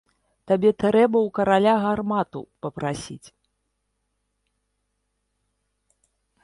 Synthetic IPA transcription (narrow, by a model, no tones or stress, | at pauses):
t̪abʲɛt̪ɾɛbɐwkɐɾalʲaɣarmat̪ṵpɐpɾasʲḭt͡sʲ